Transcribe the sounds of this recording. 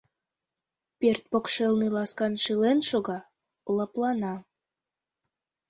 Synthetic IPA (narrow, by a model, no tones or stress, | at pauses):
pert̪̚pokʃelnilɑskɑnʃilenʃoɣɑ | ləplɑnɑ